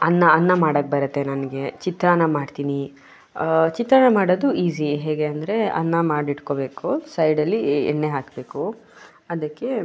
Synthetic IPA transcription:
ɐnːɐɐnːɐmaːɽɐk̚bɐɾɐt̪ːe̞nɐnɡe̞t͡ʃit̪ɾɐnɐmaːɖt̪iːni | t͡ʃit̪ɾɐːnɐmaːɽod̪uiːsiɦeːɡe̞ɐnd̪ɐɾe̞ɐ̰nːɐmaːɖiʈko̞be̞ːkusɐjɖɐlːiɛ̰ɳːeɦaːkbe̞ːku | ɐd̪ɐkːe̞

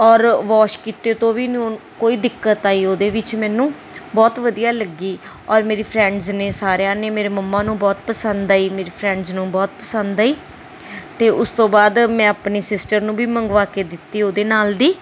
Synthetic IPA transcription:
ɔːɾʋɔːʃkiːt̪eːt̪õːʋiːnokoːiːd̪ɪkːət̪aːiːoːd̪eːʋɪt͡ʃmɛ̃ːnũː | bɔːt̪ʋəd̪ijaːləɡiː | ɔːɾmeːɾiːpʰɾɛ̃ːɳɖzneːsaːɾejãːneːmeːɾeːməmːãːnũːbɔːt̪pəsənd̪aːiːmeːɾiːpʰɾɛ̃ːɳɖznũːbɔːt̪pəsə̃nd̪aːiː | t̪eːʔʊst̪õːbaːd̪mɛ̃ːapniːsɪsʈəɾnũːbiːməŋɡʋaːkeːd̪ɪt̪ːiːoːd̪eːnaːld̪iː

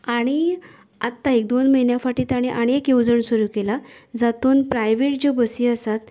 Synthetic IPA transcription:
aɽ̃i | at̪ːaek̚d̪onməinjafaʈiːt̪aɽ̃iʔaɽ̃iekjewd͡zəɳsuɾuːkelad͡zat̪oːnpɾajʋeʈ̚d͡ʑobəsiːəsat̪

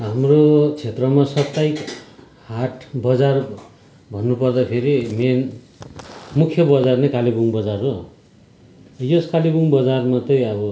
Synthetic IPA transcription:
ɦamrot͡sʰet̪rʌmasʌpt̪ajk | haʈʰbʌd͡zar | bʱʌnːupʌrd̪apʰeɾimen | mukʰjʌbʌd͡zarnekalibuŋbʌd͡zaro | joskalibuŋbʌd͡zarmat̪ʌjʌbʌ

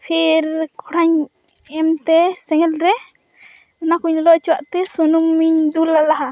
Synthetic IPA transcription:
pʰiɾkʰɔɽʰaɲ | ɛmt̪ɛsɛŋɛlɾɛ | nakuɲɔlɔt͡ʃiwaʔt̪ɛsunuŋmiɲd̪ulalaɦa

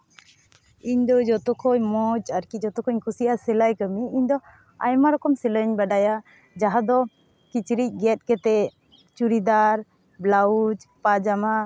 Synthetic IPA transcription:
iɲd̪ɔd͡ʒɔt̪ɔkʰɔɲmɔd͡ʒaɾkid͡ʒɔt̪ɔkʰɔɲkʰusiasɛlajkəmiiɲd̪ɔ | a̰jmaɾɔkɔmsɛləɲbaɖaja | d͡ʒaɦad̪ɔ | kit͡ʃɾic̚ˀɡɛt̪̚kɛt̪ɛ | t͡ʃuɾid̪aɾ | blaud͡ʒpad͡ʒama

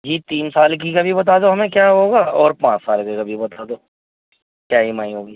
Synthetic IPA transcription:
d͡ʒiːt̪iːnsaːlk̬ikɐbʱibɐt̪̬aːd̪oɦɐmẽkjaːɦoːɡaːɔːɾpãːt͡ʃsaːlkekɐbʱibɐt̪aːd̪oː | kjaːɦimaːĩɦoːɡiː

